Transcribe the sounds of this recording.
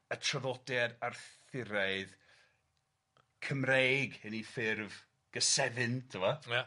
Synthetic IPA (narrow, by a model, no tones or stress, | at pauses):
ətʰrəðɔdjadarθɪɾaɨð | kʰəmrejɡənifɪrv | ɡ̥əsɛðɨntʰɪwɔja